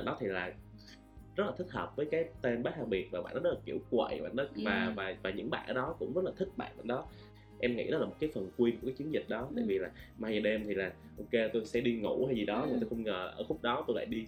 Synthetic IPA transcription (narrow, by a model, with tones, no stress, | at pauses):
nɗɔ˨˦t̪ʰi˨˩laː˨˩ | zə˦˥t̚laː˨˩t̪ï˦˥k̚həː˨˩p̚vəː˨˦jkaː˨˦jt̪e˧nɓaː˨˦˥thʰaː˧˩ɓi˨˩ət̚vaː˨˩ɓa̰ː˧˨nɗɔ˨˦ɔ˦˥˩la˨˩ki˧˩əwkwə̰˧˨˩ɓa̰ː˧˨nɗɔ˨˦vaː˨˩vaː˨˩vaː˨˩ɲɨ̰˧˥ŋɓa̰ː˧˨ʔːɗɔ˨˦kʊ̰˧˥ŋ͡mzə˦˥t̚laː˨t̪ʰɨ˦˥k̚ɓa̰ː˧˨ɓa̰ː˧˨nɗɔ˨˦ | ʔɛ˧mŋḭ˧˥ɗɔ˨˦laː˨˩mo˨˩t̚kaː˨˦fə˨˩nkwi˧nku˩˧˩kaː˨˦jt͡ɕi˨˦nzï˨˩k̟̚ɗɔ˨˦t̪a̰ː˧˨jvi˨˩laː˨˩maː˧jzə˨˩ɗɛ˧mt̪ʰi˨˩laː˨˩ | ʔo˧ke˧t̪o˧sɛ̰˧˥ɗi˧ŋṵ˧˩ha˧jzi˨˩ɗɔ˨˦ɨ˨˩t̪o˧xə˧wŋ͡mŋəː˨˩˨ʔəː˧˩xʊ˦˥k͡p̚ɗɔ˨˦t̪o˧jla̰ː˧˨jɗi˧